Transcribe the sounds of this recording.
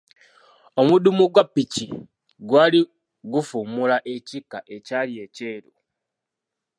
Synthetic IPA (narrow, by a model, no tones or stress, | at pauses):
o̞mudumuɡwapːici | ɡwaːli | ɡufumulaʔe̞cikːaʔe̞calie̞ce̞ːɾu